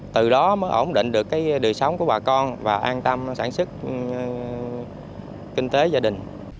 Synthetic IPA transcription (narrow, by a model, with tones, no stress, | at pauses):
t̪ɨ˨˩ɗɔ˨˦məː˨˦ʔo˧˩wŋ͡mɗḭ̈˧˨ŋ̟ɗɨ˨˩kːaː˨˦jɗɨ˨˩əsɔ˨˦wŋ͡mku˧˩ɓaː˨˩kɔ˧nvaː˨˩ʔaː˧nt̪ə˧msa̰ː˧˩nsɨ˦˥k̚ | kï˧ŋ̟t̪e˨˦zaː˧ɗï˨˩ŋ̟